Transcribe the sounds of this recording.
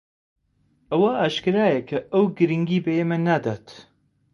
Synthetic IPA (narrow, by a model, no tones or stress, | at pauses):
ɐwaʔaːʃkɨɾaːjɐkʰɐʔɐwɡɨɾɨŋɡiːbɐjemɐnːaːd̪aːt̪